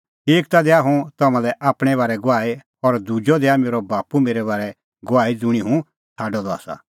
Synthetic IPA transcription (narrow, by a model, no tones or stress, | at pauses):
eːk̚t̪ad̪ɛaɦũt̪ɐmãlɛʔaːpɽ̃ɛbaːɾɛɡʊaːe | ɔɾd̪ud͡ʒɔd̪ɛameːɾɔbaːpumeːɾɛbaːɾɛ | ɡʊaːid͡zʊɽ̃iɦũ | t͡sʰaːɖɔd̪ɔa̰ːsa̰